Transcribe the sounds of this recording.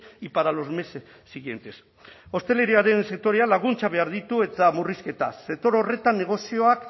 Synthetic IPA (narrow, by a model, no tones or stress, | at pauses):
ipaɾalo̞zme̞s | sːiɣie̞nt̪e̞s | o̞st̪e̞le̞ɾiaɾe̞nse̞k̚t̪o̞ɾealaɣ̞unt͡saβ̞e̞aɾðit̪ue̞t̪amuriske̞t̪a̰set̪o̞ɾo̞re̞t̪anːe̞ɣ̞o̞sio̞ak